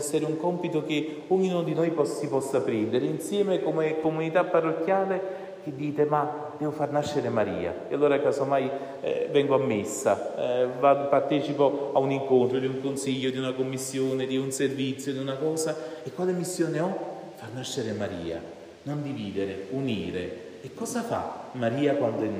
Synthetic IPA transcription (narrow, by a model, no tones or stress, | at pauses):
ɛsːeɾeuŋkɔmpit̪ok̟ɪ | ɔɲːinod̪inojpɔsipɔsːapɾind̪eɾeinsjɛːmekomekomunit̪apːarːokːjaːle | k̟ed̪ːiːt̪ema | d̪ɛːvofarnaʃːeɾemaɾḭːa̰ealːoːɾakaːsomaj̰ | vɛŋɡoamːesːa̰vad̪opart̪ɛːt͡ʃipoauniŋkont̪ɾod̪iuŋkonsiʎːod̪iunakomːisːjoːned̪iunservit̪sːjod̪iunakɔːzaekːwaːlemisːjoːneɔ | farnaʃːeɾemaɾḭːa̰ | nond̪iviːd̪eɾeuniːɾeː | kːɔːzafa̰maɾiːakwand̪oɛ